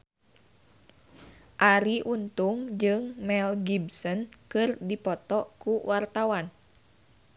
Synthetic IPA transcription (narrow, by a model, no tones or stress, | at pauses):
ʔaɾiʔunt̪uŋd͡ʒɨŋmɛlɡibsɔnkɨrdipɔt̪ɔkuwart̪awan